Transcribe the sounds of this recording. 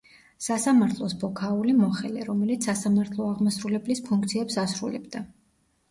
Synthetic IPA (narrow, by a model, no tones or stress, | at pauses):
sasamaɾt̪ʰlˠɔsbɔkʰaulimɔχɛliɾɔmɛlit̪sʰasamaɾt̪ʰlˠɔaʁmɔsɾulɛblispʰuŋk̚ʰt̪sʰiɛpsasɾulɛ̰bd̪a